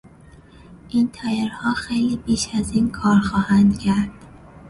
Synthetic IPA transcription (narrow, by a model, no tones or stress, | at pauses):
ʔint̪ʰɒːjeɾhɒːxejliːbiːʃæziːnkʰɒːɾxɒːhænd̪cʰæɾd̪̥